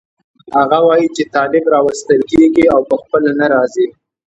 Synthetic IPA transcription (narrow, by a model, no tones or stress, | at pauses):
haɣawɑjit͡ʃet̪ɑlɪbɾɑwast̪əlkeɡiawpəxpəlanaɾɑzi